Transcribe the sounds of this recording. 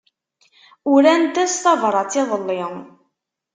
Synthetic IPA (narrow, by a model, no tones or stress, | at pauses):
ʊɾænt̪æst̪ɑvɾˤɑt͡sːɪðˤəlːɪŋ